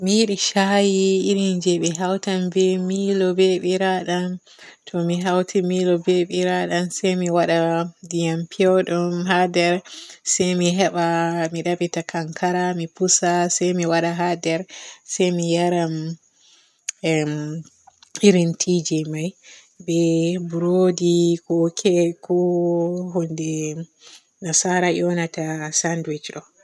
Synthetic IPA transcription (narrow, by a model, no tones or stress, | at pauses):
mijiɗiʃajiːɾind͡ʒɛɓɛɦawtambɛmilɔbɛɓiɾaɗan | tʰɔmiɦawtʰimilɔbeɓiɾaɗansɛjmiwaɗadijampʰiɔɗumɦadɛɾsɛjmiɦɛɓamiɗabitakʰaŋkʰaɾamipusasɛjmiwaɗaɦadɛɾsɛjmijaɾam | iɾintʰid͡ʒimaj | bɛbuɾodikɔkʰɛkɔ | ɦɔndɛ | nasaɾaʔɔnatasandwit͡ʃɗɔ